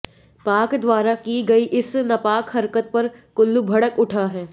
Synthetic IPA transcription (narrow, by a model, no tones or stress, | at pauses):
paːkd̪ʋaːɾakiɡɐiʔɪsnɐpaːkɦɐɾkət̪̚pɐɾkʊlːubʱɐɽəkʊʈʰaɦɛː